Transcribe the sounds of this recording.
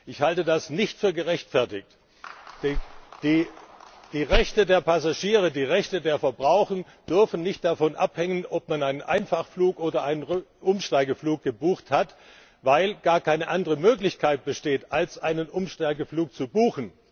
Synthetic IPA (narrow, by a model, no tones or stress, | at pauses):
ʔɪçhaltədasnɪçtfyːɐɡəʁɛçtfɛɐtɪçt | d̥d̥iː | d̥iːʁɛçtədeːɐpʰasaʒiːʁ̞ədiːʁɛçtədeːɐfɛɐbʁaʊxən̩ | d̥ʏɐfn̩nɪçt̚d̥afɔnʔa̰phɛŋənʔɔp̚manaɪnənʔa̰ɪnfaχfluːkʔoːdɐʔaɪnənʁʔʊmʃtaɪɡəfluːk̚ɡ̥əbuːxthat | vaɪlɡ̥aːɐkʰaɪnəʔandəʁəmøːklɪçkʰaɪt̚b̥əʃteːtalsʔaɪnənʔʊmʃtaɪɡəfluːk̚t͡subuːxn̩